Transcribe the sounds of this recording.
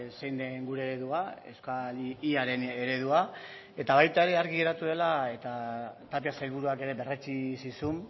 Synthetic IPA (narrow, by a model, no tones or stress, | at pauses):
sejnd̪eŋɡuɾe̞ɾe̞ðuae̞skaliaɾe̞ne̞ɾe̞ð̞ua | e̞t̪aβajt̪ae̞ɾe̞aɾɣie̞ɾat̪uðe̞lae̞t̪at̪apiaselβuɾuake̞ɾe̞βe̞ret͡ʃisisum